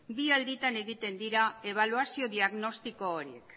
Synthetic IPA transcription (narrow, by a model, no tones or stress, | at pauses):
biald̪it̪ane̞ɣit̪e̞nd̪iɾae̞β̞aluasio̞ðiaɣno̞st̪iko̞ːɾiḛk